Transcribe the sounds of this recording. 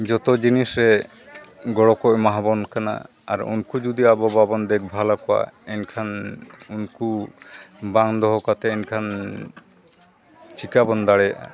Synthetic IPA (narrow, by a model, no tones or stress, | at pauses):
d͡ʒɔt̪ɔd͡ʒinisɾɛ | ɡɔɽɔkɔʔmaɦabɔnkʰana̰ː | ɾṵnkud͡ʒud̪iabɔbabɔnd̪ɛk̚ʰbʱalakɔa̰ɛnkʰanunku | baŋd̪ɔɦɔkat̪ʰɛɛnkʰan | t͡ʃikabɔnd̪aɽɛjʔa̰